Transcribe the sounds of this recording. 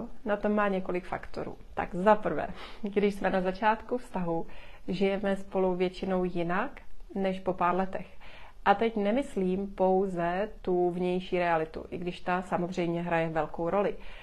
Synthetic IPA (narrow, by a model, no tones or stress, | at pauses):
nat̪o̞mːaːɲɛko̞lɪkfa̰kt̪o̰ɾṵːt̪a̰ɡzapr̩vɛ̰ːɡdɪʃsmɛnazat͡ʃaːt̪kufst̪aɦuʒɪjɛmɛspo̞luvjɛt͡ʃɪno̞wjɪnaknɛʃpo̞paːɾlɛt̪ɛx | ʔat̪ɛcnɛmɪsliːmpo̞wzɛt̪uvɲɛjʃiːɾɛalɪt̪ṵʔɪɡdɪʃt̪asamozr̝ɛjmɲɛɦɾajɛvɛlko̞wɾo̞lɪ